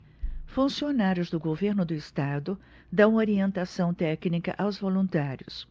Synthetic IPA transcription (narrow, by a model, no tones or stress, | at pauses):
fũsionaɾjʊzd̪ʊɡoveɾnʊd̪ʊɪst̪ad̪ʊ | d̪ɐ̃w̃oɾiẽnt̪asɐ̃w̃t̪ɛknikɐ̰ʔawzvolũnt̪aɾjʊ̰s